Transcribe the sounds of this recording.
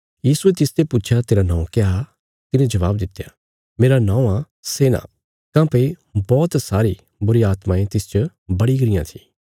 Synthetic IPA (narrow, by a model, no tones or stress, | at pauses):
jiːsuet̪ɪst̪epʊt͡ʃʰjat̪eːɾanãːũkea | t̪ɪnẽd͡ʒɐʋaːbd̪ɪt̪ːeja | meːɾanãːũã | seːnã̰ | kãːpei | bɔːt̪saːɾi | bʊɾiaːt̪maẽt̪ɪst͡ʃə | bɐɽiɡɐɾɪjã̰t̪ʰĩː